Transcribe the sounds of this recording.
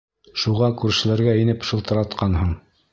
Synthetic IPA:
ʃuʁɑkʉɾʃɘ̆læɾɡæinɘpʃɤ̆lˠt̪ɤ̆ɾɑt̪qɑnɦɤɴ

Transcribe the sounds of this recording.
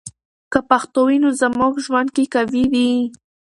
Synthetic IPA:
kapaxt̪owinozəmuɡʒwand̪̚kekawiwi

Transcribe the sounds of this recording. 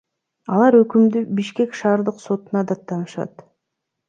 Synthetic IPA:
ɑlˠɑɾøkymd̪ybiʃke̞kʃɑːɾd̪ɯqso̞t̪unɑd̪ɑt̪ːɑnɯʃɑ̰t̪

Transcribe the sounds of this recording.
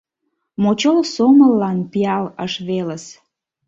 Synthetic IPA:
mot͡ɕolsoməlːɑnpiɑləʃβeləs

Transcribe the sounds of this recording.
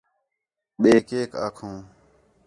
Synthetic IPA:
ɓeːkeːka̰ːkʰũː

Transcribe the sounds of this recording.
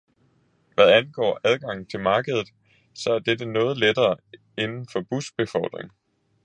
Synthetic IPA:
ʋæðˠænɡ̥ɒ̰ːʔæð̞ˠɡ̥ɑ̈ŋ̰n̩t͡sʰe̝lmɑ̈ːɡ̥əð̞ˠð̩ˠ | sɒ̽æɐd̥ed̥ənɔ̽ːð̞̩ˠled̥ɐː | e̝nn̩fɒ̽b̥usb̥e̝fɒʊd̥ʁeŋ

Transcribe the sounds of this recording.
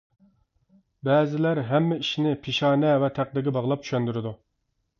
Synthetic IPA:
bɛːzɪlæɾɦɛmːɛiʃnɪpʰɪʃɑːnɛvɛt̪ʰæq̚d̪ɪɡʲɪbɑʁlˠɑpt͡ʃʰy̥ʃɛnd̪yɾɪd̪u

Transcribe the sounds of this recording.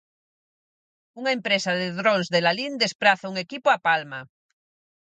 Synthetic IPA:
uŋaempɾesaðeðɾonzðelalind̪espɾaθauŋekipoapalma

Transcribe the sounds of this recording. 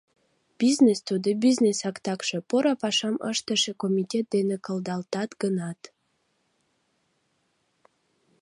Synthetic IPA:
b̥iznest̪ud̪ibiznesɑkt̪ɑkʃe̽poɾɑpɑʃɑmə̰ʃt̪əʃekomʲitʲet̪̚d̪enekə̆ld̪ɑlt̪ɑt̪ɡ̥ənɑt̪

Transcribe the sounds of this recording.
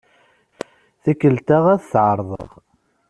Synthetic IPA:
θækːəlt̪aʁæðθʕəɾˤðˤə̰ʁ

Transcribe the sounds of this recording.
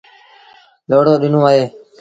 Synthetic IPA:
loːɽoːɗɪnõːaːɦeː

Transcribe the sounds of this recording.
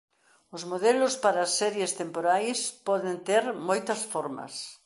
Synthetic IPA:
ʊzmoðelʊspaɾɐːsːɛɾjest̪empoɾajspɔðent̪eɾmojt̪ɐsfɔɾmɐ̰s

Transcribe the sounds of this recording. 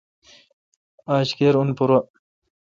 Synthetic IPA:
aːɕkeɾunpuɾa

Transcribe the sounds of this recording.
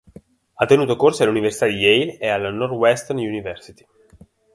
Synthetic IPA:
at̪ːenuːt̪okorsoaluniversit̪ad̪ijejlealnɔrwɛst̪ɛrnjunivɛrsi̥t̪i̥

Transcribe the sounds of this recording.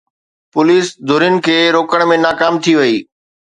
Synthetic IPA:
pʊliːsd̪ʱʊɾiʊnɪ̆kʰeːɾoːkəɽ̃mẽnaːkaːmt̪ʰiʋɐiː

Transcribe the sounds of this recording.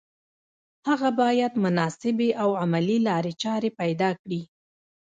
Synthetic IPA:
haɣabɑjad̪mʊnɑsɪbeʔawamalilɑɾet͡ʃɑɾepajd̪ɑkɽi

